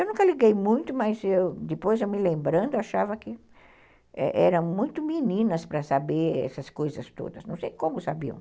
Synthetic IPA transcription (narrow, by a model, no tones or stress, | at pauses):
ewnũkɐliɡejmũj̃t̪ʊmɐzewd̪ɪpojzewmɪlẽmbɾɐ̃nd̪ʊaʃavɐkɪ | ɛ̰ʔɛɾɐ̃w̃mũj̃t̪ʊminĩnɐspɾɐsabeɾɛ̰sɐskojzɐst̪o̰d̪ɐsnɐ̃w̃sejkõmʊsabiɐ̰̃w̃